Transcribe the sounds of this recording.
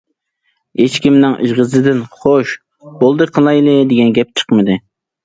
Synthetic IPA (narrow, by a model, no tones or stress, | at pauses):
het͡ʃkʲimnɪŋḭʒʁəzɨd̪ɪnχoʃ | bolˠd̪ɨqʰəlˠɑjlˠɨd̪eɡʲɛnɡʲɛp̚t͡ʃʰə̥qmɨd̪ɨ